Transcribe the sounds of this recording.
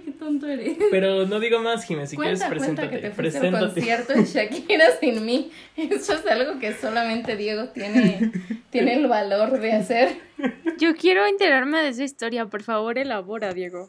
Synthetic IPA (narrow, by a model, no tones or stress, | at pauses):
ket̪ant̪oeɾespeɾonoðiɣomasximesikwjeeɾestapɾesweent̪aakeet̪efɾeseenkoonjeɾt̪oʃakieɾasinmi | esoesalɣo̞ke̞so̞lamẽnt̪e̞ðje̞ɣo̞t̪je̞net̪je̞ne̞ːlβalo̞ɾðe̞aseɾɟ͡ʝo̞kje̞ɾo̞int̪eɣɾaɾme̞ðees̬aist̪o̞ɾjapo̞ɾfaβo̞ɾe̞laβo̞ɾaðje̞ɣo̞